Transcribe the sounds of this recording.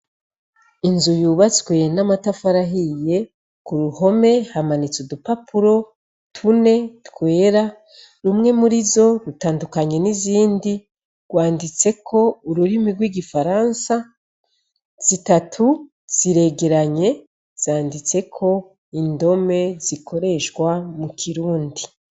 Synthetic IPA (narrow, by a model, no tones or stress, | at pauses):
inzujuːβazitkweːjenamatafaɾaɦije̞ | kuɾuho̞me̞hamanit͡sudupapʰuɾo̞ | tʰune̞tkwe̞ːɾa | ɾumŋe̞muɾizo̞ɾutaːndukaɲe̞niziːndi | ɡ̥waːndit͡se̞kʰo̞uɾuɾimiɡwiːɡifaɾaːnsa | z̥itatʰu | z̥iɾe̞ɡe̞ɾaɲe̞ | z̥aːndit͡se̞kʰo̞ | indo̞me̞z̥ikʰo̞ɾe̞ʃɡwamukʰiɾuːndi